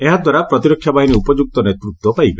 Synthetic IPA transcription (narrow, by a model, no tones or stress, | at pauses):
eɦad̪waɾapɾɔt̪iɾɔkʰːjabaɦiniupɔd͡ʒuk̚t̪ɔnet̪ɾut̪wɔpajbe